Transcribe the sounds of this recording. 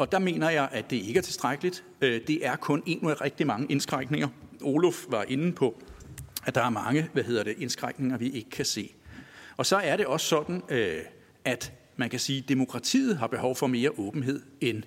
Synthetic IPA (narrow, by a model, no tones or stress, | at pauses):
ɒ̽d̥ɑ̈me̝̰ːnɐjɑ̈ɪʔæd̥e̝ɐe̝ɡ̥əæɐt͡sʰe̝sd̥ʁaɡ̥əlid̥ | ød̥e̝ʔæɐkʰɔ̽ne̝̰ːnuðˠæʁɛɡ̥̚d̥imɑ̈ŋəʔe̝nsɡ̥ʁɑɡ̥ne̝ŋɐʔo̝lɔfʋɑ̈ʔe̝nn̩pʰɒ̽ | æd̥ɑ̈æɐmɑ̈ŋəʋæɦe̝ðˠɐd̥eʔe̝nsɡ̥ʁaɡ̥ne̝ŋɐʋiʔe̝ɡ̥ə̥kʰæse̝̰ːɒ̽sɒ̽æɐɾe̝ɒ̽ssɒ̽d̥n̩ø | ʔæd̥ | mænkʰæsiːd̥emo̝kʰʁɑ̈t͡sʰḭːð̞̩ˠɦɑ̈b̥e̝hɒʊfɒ̽me̝ːɐʔɔ̽ːb̥n̩ɦe̝ð̰ˠen